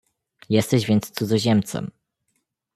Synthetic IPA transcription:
jɛst̪ɛʑvʲɛnt̪st̪sud̪zɔʑɛmt̪sɛ̰m

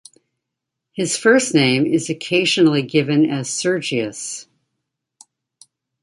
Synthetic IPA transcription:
hɨz̥fɜ˞snẽɪ̃mɪzɨkʰeɪʒɨnl̩ˠiɡɪvɨ̃nɨz̥sɜ˞d͡ʒiɨs

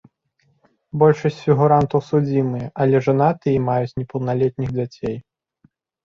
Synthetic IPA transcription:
bɔlʲʂɐsʲt͡sʲfʲiɣuɾant̪ɐwsud͡zʲimɨjɛʔɐlʲɛʐanat̪ɨjɛmajut͡sʲnʲɛpɐwnalʲɛt̪̚nʲiɣd͡zʲat͡sʲej

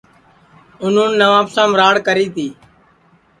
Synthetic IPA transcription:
ʊn̤ũːnːəʋaːpsãːmɾaːɽkəɾiːt̪ʰiː

